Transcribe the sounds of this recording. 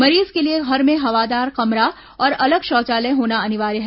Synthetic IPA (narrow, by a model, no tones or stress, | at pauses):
mɐɾiːzkelieɦɐɾmẽɦɐʋaːd̪aːɾqɐmɾa | ɔːɾɐləɡʃɔːt͡ʃaːlẽɦoːnaɐnɪʋaːɾeɦɛ